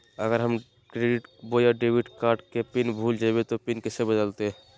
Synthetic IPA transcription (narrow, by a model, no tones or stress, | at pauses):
əɡəɾɦəm | kɾeɖiʈbojaɖebiʈkaɾɖkepinbʱuld͡ʒabet̪opinkɛsebəd̪əlt̪e